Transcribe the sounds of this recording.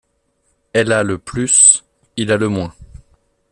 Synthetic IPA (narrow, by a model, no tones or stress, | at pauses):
ɛlaləplys | ilaləmwɛ̃